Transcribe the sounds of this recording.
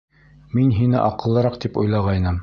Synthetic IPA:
minɦinɘ̰ʔɑqɤ̆lˠːɤ̆ɾɑqt̪ipṵjlˠɑʁɑjnɤm

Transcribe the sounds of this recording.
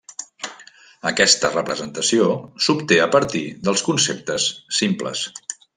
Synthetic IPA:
əkɛst̪ərəpɾəzənt̪əsiosupt̪eəpəɾt̪iðəlˠskunsep̚t̪əsːimplə̰s

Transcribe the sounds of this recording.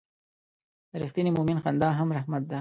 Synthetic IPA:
d̪̥əɾixt̪iːnimʊminxand̪ɑɦamɾahmat̪̚d̪a

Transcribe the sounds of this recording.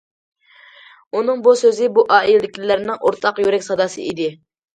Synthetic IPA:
unɨŋbusøzɪbuʔɑːild̪ɪkʲlɪlæɾnɪŋʔo̰ɾt̪ʰɑqjyɾɛkʲsɑd̪ɑsɨ̰ʔid̪ɪ

